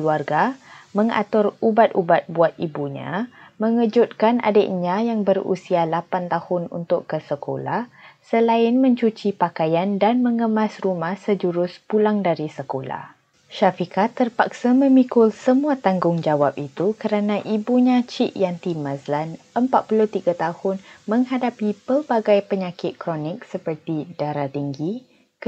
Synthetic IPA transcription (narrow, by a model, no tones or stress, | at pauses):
luarɡaməŋa̰t̪ʊrubat̪ubat̪̚buat̪̚ibuɲã̰məŋəd͡ʒʊt̪̚kanʔa̰dəʔɲãjaŋbərṵsialapant̪ahʊnṵnt̪ʊkːəsəko̰la̰hsəlaɪnmə̃ɲt͡ʃut͡ʃipakajandanməŋəmasrumahsəd͡ʒuɾʊspulaŋdaɾisəkola̰h | ʃafikat̪ːərpak̚samə̃mikʊlsəmũat̪aŋɡʊŋd͡ʒawap̚it̪ukəɾanãʔibuɲãt͡ʃiʔjant̪imãzlan | əmpat̪̚pulʊht̪iɡat̪ahʊnmə̃ŋɦadapipəbaɡajpəɲãkɪt̪̚kɾɔnɪk̚səpərt̪idaɾat̪iŋɡi | k